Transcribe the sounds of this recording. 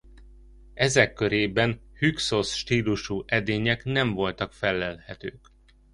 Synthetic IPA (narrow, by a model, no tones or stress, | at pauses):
ɛzɛkːø̞ɾeːbɛnhykso̞sʃt̪iːluʃuːʔɛd̪eːɲɛknɛɱvo̞lt̪ɒkfɛlːɛlhɛt̪øːk